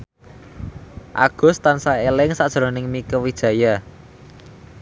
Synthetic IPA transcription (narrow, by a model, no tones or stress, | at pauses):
ʔa̰ɡ̥ʊ̤st̪ansaelɪŋsad̥ʒ̥ɾo̤nɪŋmikəwid̥ʒ̥ä̤ja